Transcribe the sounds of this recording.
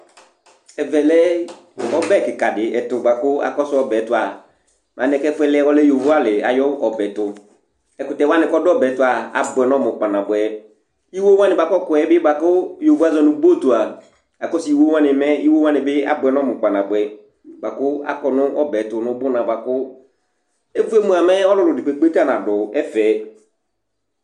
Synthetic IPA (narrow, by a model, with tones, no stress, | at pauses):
ɛ˨vɛ˨lɛ˦ | ɔ˦bɛ˦˨kɪ˨ka˨dɪ˨ɛ˨tʊ˨ba˨kʊ˦a̰˦kɔ˦sʊ˦ɔ˦bɛ˨˦tʊ˦˨a˨ | mã˨nɛ˨˦kɛ˦fʊ˦ɛ˦˨lɪ˦ɛ˦wɔ˦lɛ˦jo˨vu˦a˦lɪ˨a̰˨jɔ˦ɔ˨bɛ˨˦tʊ˨ | ɛ˨kʊ˨tɛ˨wa˦nɪ̃˨kɔ˦dɔ˦bɛ˨˦tʊ˦a˨a̰˨bʊ˨ɛ˨nɔ˦mʊ˨k͡pa˨nã˨bʊ˨ɛ˨ | i˦wo˦wã˦nɪ˨ba˨kɔ˦kʊ˨ɛ˨˦bɪ˦ba˨kʊ˦jo˨vu˦a˦zɔ˨nʊ̃˨bo˦˨tu˨a˨ | a˨kɔ˦sɪ˨i˨wo˦wã˦nɪ˨˦mɛ˦i˦wo˦wã˦nɪ˨bɪ˦a̰˦bʊ˨ɛ˨nɔ˦mʊ̃˨k͡pa˨nã˨bʊ˨ɛ˨ | ba˨kʊ˦a̰˦kɔ˨nʊ̃˦ʔɔ˦bɛ˨tʊ˨nʊ̃˦bʊ˦nã˨ba˨kʊ˦ | e˦vu˦e˦mũ˨a˨mɛ˦ɔ˦lʊ˨lʊ˨dɪ˨k͡pe˨k͡pe˦ta˦˨nã˨dʊ˨ɛ˦fɛ˨